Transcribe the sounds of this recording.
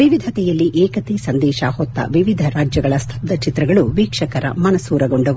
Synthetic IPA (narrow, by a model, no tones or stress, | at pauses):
ʋiʋid̪ʱɐt̪ɛjɐlːiʔɛːkɐt̪esɐnd̪ɛːʃɐhɔt̪ːɐ̰ʋiʋid̪ʱɐɾaːd͡ʒjɐɡɐɭɐst̪ʰɐ̥b̚d̪ɐt͡ʃit̪ɾɐɡɐɭuʋiːkʂɐkɐɾɐ̰mɐnɐsuːɾɐɡoɳɖɐʋu